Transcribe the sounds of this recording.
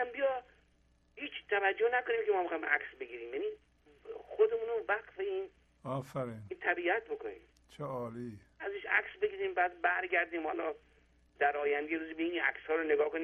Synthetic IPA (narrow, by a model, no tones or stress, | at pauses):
æmbijɒ | hiːt͡ʃt̪ʰævæd͡ʒːohnæko̞niːmkʲemɒːmexɒimʔæksbe̞ɡiːɾiːmjæniː | xod̪e̞mũːnovæqfeiːn | ɒːfæɾint̪ʰæbiæt̪̚bo̞kʰonḭːm | t͡ʃʰeɒːliː | æzeʃæ̰ksbe̞ɡiːɾiːmbæːd̪̚bæɾɡæɾd̪iːmhɒlɒː | d̪̥æɾɒːjænd̪ejeɾuːzibeiæ̰kshɒːɾoneɡɒːkoniː